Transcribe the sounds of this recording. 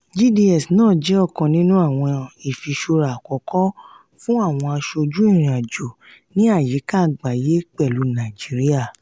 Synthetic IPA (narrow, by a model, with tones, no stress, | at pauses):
d͡ʒi˦˨di˧ɛ˨snãː˦˨d͡ʒɛ˨˦ɔ˦˨kɔ̃˨nĩ˦nũ˦a˦˨w̃ɔ̃˧i˨fi˨˧ʃo˧ɾa˨kɔ˨kɔ˦ | fũ˦a˦˨w̃ɔ̃˧a˧ʃo˧d͡ʒu˦i˦˨ɾ̃ĩ˨a˨d͡ʒo˨ | nĩ˨˦a˦˨je˨˦ka˦˨˦ɡ͡ba˨je˨˦k͡pɛ˦˨lu˨˦nã˨d͡ʒi˨˦ɾi˦a˦˨